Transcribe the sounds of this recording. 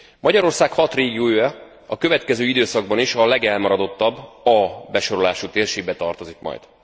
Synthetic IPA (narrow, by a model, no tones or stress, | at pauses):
mɒɟɒɾo̞rsaːkhɒt̪reːɡiuøːjɛ | ɒkøvɛt̪kɛzøːid̪øːsɒɡbɒniʃɒlɛɡɛlmɒɾɒd̪o̞t̪ːɒbːɒbɛʃo̞ɾo̞laːʃut̪eːrʃeːɡ̚bɛt̪ɒrt̪o̞zikmɒ̰jd̪